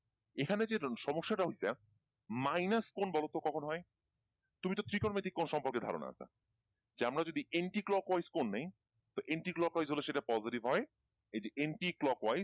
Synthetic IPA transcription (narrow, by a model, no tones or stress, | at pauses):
ekʰaned͡ʑeʃɔmoʃːaʈaɦojsa | majnaskonbɔlot̪okɔkʰonɦɔe | t̪umit̪ot̪ɾikoɾmet̪ikːonʃɔmpoɾked̪ʱa̰ɾo̰na̰a̰sʰa̰ | d͡ʑeamɾad͡ʑod̪iʔeɳʈiklɔkwajskonːej | t̪oʔeɳʈiklɔkwajzɦoleʃeʈapɔziʈibɦɔe | ejd͡ʑeʔeɳʈiklɔkwajz